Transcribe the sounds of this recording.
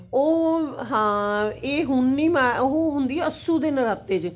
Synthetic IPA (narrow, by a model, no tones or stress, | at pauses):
oːɦãːeːɦʊnːiːmaoɦoːɦʊnd̪iːɛːəsːuːd̪enɾat̪eːd͡ʒ